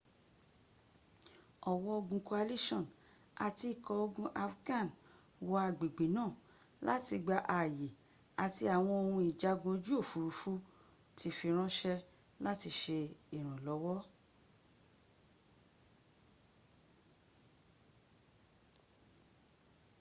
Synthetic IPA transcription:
ɔ˨wɔ˧o˧ɡũ˧ko˧a˧li˦ʃɔ̃˦˨n | a˨ti˧˨kɔ˧o˧ɡũ˧ʔa˧fɡã˦˨n | wɔ˧a˨ɡ͡be˨ɡ͡be˨nãː˦˨ | la˦ti˧ɡ͡ba˧ʔa˨je˨ | a˨ti˧a˨w̃ɔ̃˧o˨˧hũ˧i˨d͡ʒa˧ɡũ˧o˧d͡ʒu˦o˦˨fu˧ɾu˧˦fu˦ | tʰi˧fi˧ɾ̃ã˦ʃɛ˧ | la˦ti˧ʃe˧i˨ɾ̃ũ˨lɔ˨˦wɔ˦

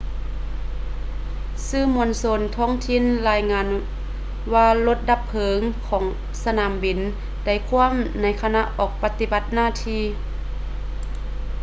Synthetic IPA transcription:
sɯː˧˩˨mu˧˨nso˧nt̪ʰɔː˧˥˨ŋt̪ʰi˧˨nlaː˧jŋaː˧˨n | waː˧lo˧˦t̪̚da˧pʰːɤː˨˦ŋkʰɔː˩˦ŋ | sa˧naː˨˦mbi˨˩n | da˧˩jkʰu˧˥˨əmna˧˥jkʰa˧na˧˥ʔɔː˨˩k̚pa˧t̪i˧ba˧˦t̪̚naː˧˨t̪ʰiː˧˥˨

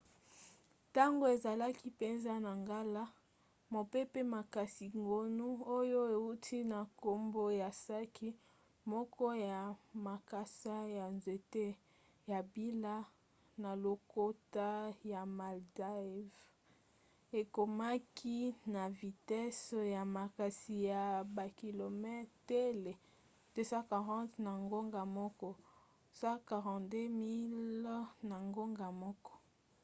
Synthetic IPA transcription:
ta˦ŋɡo˦e˨za˨la˦ki˦pe˨nza˦na˨ŋɡa˦la˦ | mo˨pe˦pe˦ma˨ka˨si˨ŋɡo˨nu˦o˦jo˦e˨u˦tʰi˦na˨ko˨mbo˦ja˨sa˦ki˦ | mɔ˦kʰɔ˦ja˨ma˨ka˨sa˦ja˨nzwe˨te˦ | ja˨bi˦la˦ | na˨lo˨ko˦ta˦ja˨ma˨lda˦˨v | e˨ko˨ma˦kʰi˦na˨vi˨tɛ˦sja˨ma˨ka˨si˨ja˨ba˨ki˨lo˨mɛ˦te˦le˨ | te˦sa˦ka˨ʁɑ̃˦tna˨ŋɡo˦ŋɡa˨mɔ˦kɔ˦ | sa˦ka˨ʁɑ̃˨de˦mi˦lna˨ŋɡo˦ŋɡa˨mɔ˦kɔ̥˦

